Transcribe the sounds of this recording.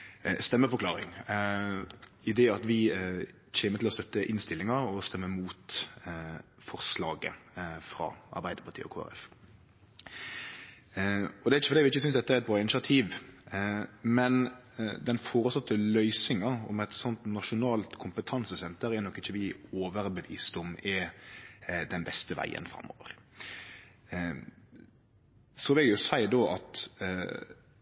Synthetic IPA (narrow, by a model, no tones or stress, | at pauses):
st̪ɛmːəfɔɾklɑːɾɪ̰ŋ | ɪd̪eːɑt̪ʋɪ | çeːmət̪ɪlɔst̪œt̪ːəʔɪnst̪ɪlɪŋɑɾɔst̪ɛmːəmuːt̪ | fɔʁslɑ̰ːɡə̰fɾɑ̰ːʔɑ̰ɾbæɪd̪əpɑt̪ʰḭːɔ̰kʰo̰ːæ̰ɾɛ̰f | ɔd̪ɛæɾɪçəfɔɾd̪æɪʋɪɪçːəsʏnsd̪ɛt̪ːæɾɛt̪̚bɾɑːɪnɪʃɪɑt̪ʰiːʋ | mɛnd̪ɛnfoːɾəsɑt̪ːəlœʏsɪŋɑɔ̰mɛt̪sɔnt̪nɑʂʊnɑːlt̪kʰʊmpət̪ʰɑnsəsɛnt̪əɾɛɾnɔkːɪçːəʋɪoːʋəɾbəʋḭːsd̪ʊmɛ | d̪ɛnbɛst̪əʋæ̰ɪə̰nfɾɑ̰mːo̰ːʋə̰ɾ | sɔʋɪljʊsæɪd̪oːʔɑt̪